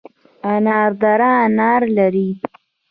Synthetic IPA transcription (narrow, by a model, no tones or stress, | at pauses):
anɑɾd̪aɾaːnɑɾlaɾi